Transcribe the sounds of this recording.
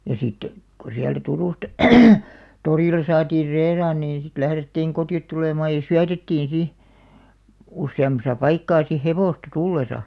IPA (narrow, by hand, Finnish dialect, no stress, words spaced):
jɑ sit ko siæltæ turuˑstɑ toriˑlˑɑ sɑːtiːr reirɑːn niːn sit læhretːiːŋ kotiot tuleˑmɑːj jɑ syætetːiːn si usːeɑmˑɑsɑ pɑikːɑː si heʋoˑstɑ tulːesɑ